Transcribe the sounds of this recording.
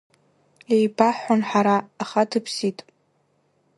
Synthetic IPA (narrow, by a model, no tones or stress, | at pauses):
ejbaħʷanħaɾaːχadʰɨpʰsitʼ